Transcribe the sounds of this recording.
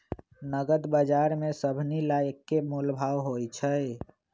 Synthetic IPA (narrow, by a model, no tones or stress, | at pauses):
nəɡəd̪bəd͡ʒaɾmesəbʱnilajəkːemulbʱawɦojt͡ʃʰəj